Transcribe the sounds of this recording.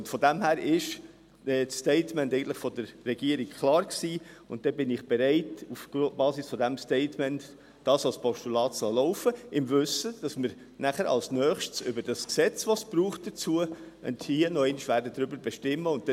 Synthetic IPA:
ʊntfɔdæmhæːɾɪʃ | ɛːtstɛɪtmɛntɛɪɡəntləχfɔdəɾːɛɡiəɾikkʰlɑːɾksiːʊnt̚d̥ɛbɪnɪχb̥ɛɾɛɪtufb̥ɑːsisfɔdæmstɛɪtmɛnt | d̥ɑːsɑlspʰɔʃtulɑːtsɑlɔʊfəɪmvʏsəd̥ɑsməɾ | næχəɾɑ̰lsnœːχʃtsʏbəɾd̥ɑsksɛt͡sʋɔsb̥ɾuːχt̚d̥ət͡suə | ʊ̰ndhiənɔɛɪnɪʃʋæːɾdədɾʏbəɾbɛʃtɪmːəʊnttɛ

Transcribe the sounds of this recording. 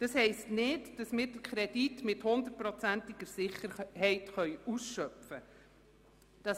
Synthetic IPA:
d̥ɑshɛɪstnɪdd̥ɑsmɪːɾd̥əkχɾɛd̥itmɪthʊnd̪ərt̚pɾɔt͡sæntɪɡ̥əɾsɪχəɾhɛɪtχœʏusʃœpfə | d̥ɑs

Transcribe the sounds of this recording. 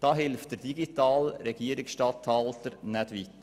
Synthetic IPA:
d̥ɑːɦɪlft̚d̥̪ɛd̥iɡit̪ɑːlɾɛɡiːəɾɪksʃtɑːtʰɑlt̪əɾnɛd̥ʋiːt̪ːə

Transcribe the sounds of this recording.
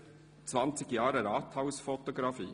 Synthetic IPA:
t͡svɑnt͡sɪɡjɑːɾəɾɑːt̪haʊsfɔt̪ɔɡɾɑfiː

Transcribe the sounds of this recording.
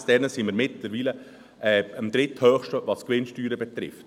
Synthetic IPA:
sd̥ɛnəsiməɾmɪt̪ləɾʋiːlə | ʔɛːəmd̪ɾɪthœːχʃtəʋɑskʋɪnʃtyːɾəbɛt̪ɾɪ̰ft

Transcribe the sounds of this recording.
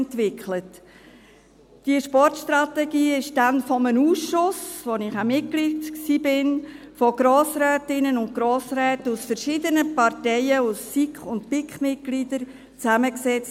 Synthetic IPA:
ntʋɪkʰlət | d̥iəʃpɔɾtʃt̪ɾɑtɛɡiːɪʃdanfɔmənuːsʃʊsvonɪχamɪt̚kliːtksiːbɪn | fɔɡ̥ɾoːsɾɛːtɪnənʊnt̚ɡ̥ɾoːsɾɛːtəusfəɾʃidənəpɑrtɛɪəusːikχʊntpɪkχmɪt̚ɡ̥lidəɾ | t͡sæməksɛt͡s

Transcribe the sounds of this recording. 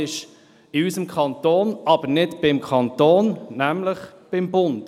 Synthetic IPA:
ɪʃ | ɪysəmkʰɑnt̪oːnʔɑb̥əɾnɪdbɪmkʰɑntoːnnæmləχb̥ɪmbʊnt

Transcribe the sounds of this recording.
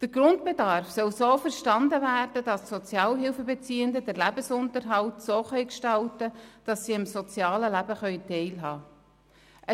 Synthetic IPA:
d̥əɾɡ̥ɾʊndbedɑɾfsœlsoːfəɾʃtɑndəvæːrd̥əd̥ɑssɔt͡sjɑːlɦɪlfəbet͡siːəndədəɾlæbəsʊntəɾɦɑltsoːχœʏkʃtɑltəd̥ɑsːiɪmsɔt͡sjɑːləlæbəχœʏtɛɪlɦɑː | ʔə

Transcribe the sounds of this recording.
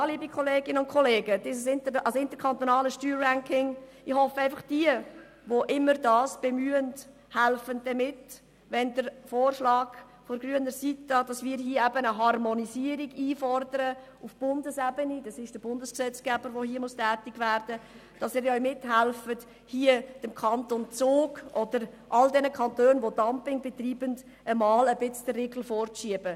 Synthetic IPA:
liːbikʰɔleːɡɪnəʊntkχɔleːɡədɪsəsɪntəɑsɪntəɾkʰɑnt̪ɔnɑːləʃtyːɾːæŋkɪŋ | ɪhɔfəæɪfɑχd̥iə | ʋoʔɪmːəɾdɑːsb̥emyːənt | hælfənd̥ɛmɪt | ʋɛndəɾfoːrʃlɑːɡ̥ | fɔɾɡryənəɾsitəd̥ɑsmiːɾɦiəɛbənəɦɑrmɔniziəɾiɡiːfɔrdəɾə | ufb̥ʊndəsɛbənid̥ɑsɪʃd̥əbʊndəsksɛt͡sɡ̥æbəɾʋohiəmustæːtɪɡʋæːɾd̥ə | d̥ɑsɪːɾœʏmɪthælfət | hiəd̥əmkʰɑntont͡soːɡʔɔd̥əɾ | ʔɑldɛnəkχɑntøːnʋodɑmpɪŋbɛt̪riːbənd | əmɑːləbɪt͡sd̥ərːeɡl̩foːrt͡sʃiəbə

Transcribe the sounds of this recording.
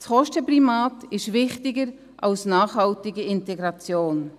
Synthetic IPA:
sχɔʃtəpɾimaːtɪʃvɪχtɪɡəɾ | ʔɑlsnaːχhɑltɪɡəɪntɛɡɾɑt͡sjoːn

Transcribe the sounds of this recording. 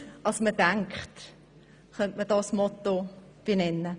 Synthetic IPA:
ɑsməd̥aŋkχt | χœntmədɑsmɔtob̥enɛnːə

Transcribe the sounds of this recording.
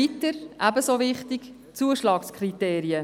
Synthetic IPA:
it̪əɾʔæbəsoʋɪχt̪ik | t͡suəʃlɑːkskʰrit̪eːɾiə

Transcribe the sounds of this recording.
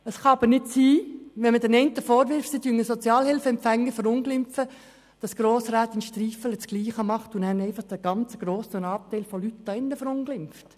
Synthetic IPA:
əsχɑɑb̥əɾnɪtsiːʋɛnmədɛnɛɪntəfɔːɾʋɪɾfsidyːnəsɔt͡sjɑːlhɪlfəɛmpfɛŋːəfəɾʊnɡlɪmfə | d̥ɑsɡ̥ɾoːsɾaːt̪ɪnʃtriːfələt͡sɡ̥liːχəmɑχtʊnhɛnɛɪfɑχd̥əɡ̥ɑnt͡səɡ̥ɾoːsənɑːp̚tæɪlfɔlytd̥ɑɪnːəfəɾʊnɡ̥lɪmft

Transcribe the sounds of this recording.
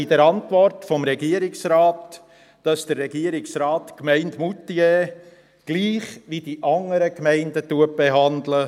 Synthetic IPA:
id̥ɛɾɑntʋɔrtfɔmɾɛɡiəɾɪksɾaːt | d̥ɑsd̥əɾːɛɡiəɾɪksɾɑːtkmɛɪntmutːie | ɡ̥liːχʋid̥iʔɑŋəɾəkmɛɪndətuət̚b̥eɦɑndlə

